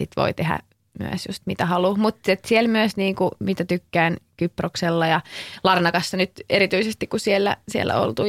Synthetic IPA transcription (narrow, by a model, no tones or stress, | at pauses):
sḭt̪ʋo̰it̪ehæ̰ | my̰ø̰sjust̪mit̪æhɑluhmut̪et̪sielmyøsniːŋkumit̪æt̪ykːæːnkyprokselːɑjɑlɑrnɑkɑsːɑnyt̪eɾit̪yisest̪ikkusielːæ̰siḛlːæ̰o̰lt̪uː